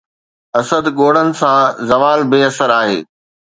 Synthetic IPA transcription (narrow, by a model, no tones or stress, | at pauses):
ɐsəd̪ɠoːɽənɪ̆sãzɐʋaːlbɪɐsəɾaːɦḛː